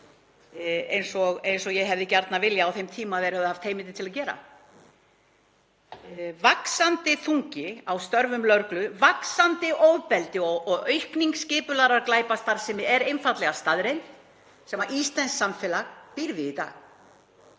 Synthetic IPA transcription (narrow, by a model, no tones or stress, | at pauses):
ḛjnsɔɣejnsɔɣjɛɣɦɛvðɪcaɾt̪navɪljaːwθejmt̪ʰiːmaðɛɾhɛvðɪhaft̪heːjmɪt̪ɪt̪ʰɪlaðcɛːɾa̰ | vaksant̪ɪθuŋcɪawst̪œɾvʏmlœɾklʏvaksant̪ɪʔoːwpɛlt̪ɪɔɣɔɣœɥhkniŋkscɪːpʏlaɾaɾklaːjpast̪aɾsɛmɪɛɾejnfat̪lɛɣast̪aðɾejn | sɛmaɾʔist̪lɛnsːamfɛlaɣpiɾvɪit̪a̰ːɣ